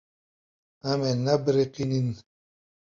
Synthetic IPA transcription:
amenabɾeqinin

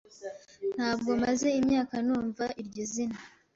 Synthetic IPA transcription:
n̥haːb̚ɡo̞maze̞imɲaːkanuːɱvaʔiɾɟozina

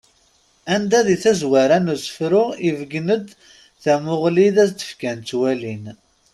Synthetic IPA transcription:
ænd̪æðiθæzwaɾænusə̥fɾʊivəɡnəd̪ | θæmʊʁliðæsd̪ə̥fkænt̪ːwælin

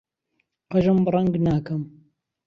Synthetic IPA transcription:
qɐʒɨmbrˤɐŋɡnaːkɐm

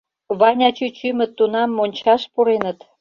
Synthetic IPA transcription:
βɑnʲɑt͡ɕyt͡ɕymə̆t̪ːunɑmːonʲt͡ɕɑʃpuɾenət̪

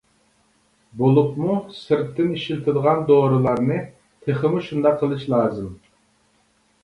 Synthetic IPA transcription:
bolˠupmusɨɾt̪ʰːɪniʃilt̪ʰɪd̪əʁɑnd̪oːɾɨlˠɑɾnɨ | t̪ʰeχəmuʃund̪ɑqʰːəlˠɨʃlˠɑːzɨm

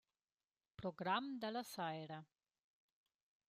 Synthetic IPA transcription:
pɾoɡɾamd̪əlasajɾa

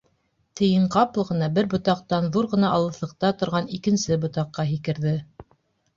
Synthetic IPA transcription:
t̪ɘ̆jɘɴqɑplˠɤ̆ʁɤ̆nɑbɘɾbŏt̪ɑq̚t̪ɑnðuɾʁɤ̆nɑʔɑlˠɤ̆θɤ̆q̚t̪ɑt̪ŏɾʁɑnikɘ̆nsɘbŏt̪ɑqːɑɦikɘ̆ɾðɘ

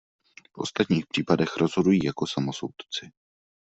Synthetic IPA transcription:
fʔo̞̰st̪at̪ɲiːxpr̝̥iːpadɛxɾo̞zɦo̞dujiːjako̞samo̞so̰wt̪t͡sɪ

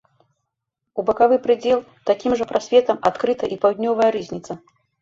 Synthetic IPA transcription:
ubɐkavɨpɾɨd͡zʲɛlˠ | t̪akʲimʐɐpɾasʲvʲɛt̪ɐmat̪kɾɨt̪ɐʔipawd̪ʲnʲɔvɐjɐɾɨzʲnʲit̪sɐ

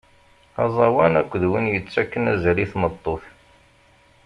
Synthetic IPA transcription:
ɑzˤɑwænækʷːðwənjət͡sːækːənæzɾiθmət̪ˤːoθ

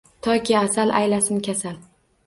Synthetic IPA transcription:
t̪ʰɒkʲʰɪasalʔa̰jlasɪmkʲʰasal

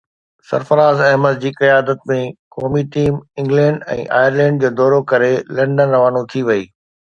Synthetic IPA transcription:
sɐ̰ɾfəɾaːzɐ̃ɦməd̪d͡ʑiːkɐjaːd̪ət̪̚mẽkɔːmiʈiːmɪ̃ŋɡlɛ̃ːɳɖɛ̰̃ːʔa̰ːjəɾlɛ̃ːɳɖ̚d͡ʑoːd̪ɔːɾokɐɾelɛ̃ɳɖənɾɐʋaːnõt̪ʰiʋɐiː

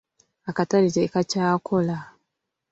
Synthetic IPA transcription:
akataɾizeikat͡ʃaːkola

